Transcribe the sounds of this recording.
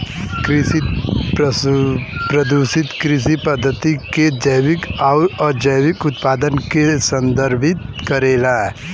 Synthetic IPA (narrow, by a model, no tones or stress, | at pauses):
kɾɪsip | pɾɐd̪usɪt̪kɾɪsipɐd̪ʱːət̪iked͡ʒəjwɪkaɔːɾd͡ʒəjwɪkʊt̪paːd̪ənkesɐ̃nd̪əɾbʱɪt̪kɐɾeːlaɛ